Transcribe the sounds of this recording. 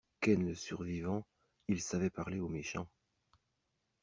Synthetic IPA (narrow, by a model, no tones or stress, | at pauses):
kɛnləsyʁvivɑ̃ | ilsavɛpaʁleomeʃɑ̃